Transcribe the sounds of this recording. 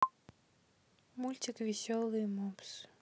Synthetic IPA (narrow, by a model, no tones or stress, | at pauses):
mulʲt̪ʲɪkvʲɪsʲɔlˠɨjmups